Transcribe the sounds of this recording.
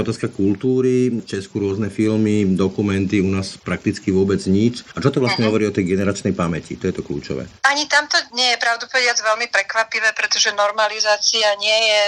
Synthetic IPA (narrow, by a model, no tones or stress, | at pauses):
ɔt̪aːskakult̪uːɾit͡ʃɛskuɾʊɔznɛfilmid̪ɔkumɛnt̪iunaːspɾak̚t̪it͡skiʋʊɔbɛd͡zɲit͡ʃat͡ʃɔt̪ɔʋlastɲɛɦɔʋɔɾiːɔt̪ɛjɡɛnɛɾat͡ʃnɛjpamɛcḭt̪ɔjɛt̪ɔklṵːt͡ʃɔ̰ʋɛ̰ːaɲit̪amt̪ɔɲɛjɛpɾaʊd̪upɔʋɛdɪad͡zʋɛlmipɾɛkʋapiʋɛːpɾɛt̪ɔʒɛnɔɾmalizaːt͡siaɲɪɛjɛ